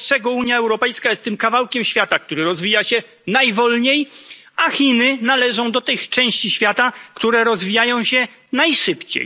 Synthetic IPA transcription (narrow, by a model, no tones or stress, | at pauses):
ʂɛɡɔuɲjaɛwɾɔpɛjskajɛst̪ːɘmkavawkʲɛmɕfʲjat̪ak̚t̪uɾɘɾɔzvʲijaɕɛ | najvɔlɲej | axʲinɘnalɛʐɔ̃w̃d̪ɔt̪ɘxt͡ʂɛ̃w̃ɕt͡ɕiɕfʲjat̪akt̪uɾɛɾɔzvʲijajɔ̃w̃ɕɛ | najʂɘpt͡ɕḛj